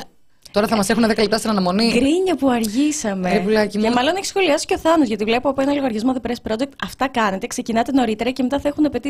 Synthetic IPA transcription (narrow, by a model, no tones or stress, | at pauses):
t̪o̞ɾɐθɐmɐse̞xunðekɐlep̚t̪ɐst̪inɐnɐmo̞niɡɾiɲɐpuɐɾʝisɐmeɾepulɐcimemɐlo̞neçi̥sxo̞liɐsi̥coθɐnozʝɐt̪ivle̞poɐpoenɐloɣɐɾʝɐzmoðepɾespɾo̞d̪ek̚t̪ɐft̪ɐkɐne̞t̪e̞kse̞cinɐt̪eno̞ɾit̪e̞ɾɐcemet̪ɐθɐexunepe̞t̪i